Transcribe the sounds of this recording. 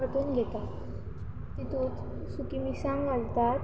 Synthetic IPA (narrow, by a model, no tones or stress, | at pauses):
əʈuːnɡʱet̪a | t̪it̪uːt̪ | sukimisãŋʋalt̪aɾ